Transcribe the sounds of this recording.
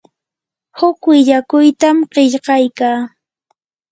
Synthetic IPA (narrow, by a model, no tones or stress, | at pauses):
hʊkwɪʎakʊjt̪amɢɪʎɢɑjkaː